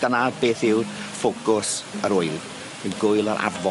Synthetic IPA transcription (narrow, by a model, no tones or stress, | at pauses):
ənadbeːθɪwdfokʊsəɾʊɨlˠ | ɪɡʊɨlˠəɾʔa̰vɔ